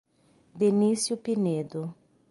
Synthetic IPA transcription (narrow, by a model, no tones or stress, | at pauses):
d̪enisjupined̪ʊ